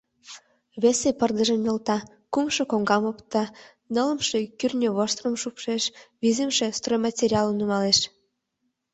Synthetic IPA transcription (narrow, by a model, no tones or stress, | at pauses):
βesepərd̪əʒə̆mjɤ̆lt̪ɑ | kumʃɤ̆koŋɡɑmopt̪ɑ | nələ̆mʃekyrʲnʲøβoʃt̪rəmʃupʃeʃβizemʃest̪rojmɑtʲeɾʲiɑlənumɑleʃ